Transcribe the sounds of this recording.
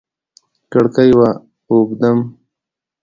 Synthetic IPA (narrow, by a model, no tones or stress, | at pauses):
kəɽkajwa | obd̪am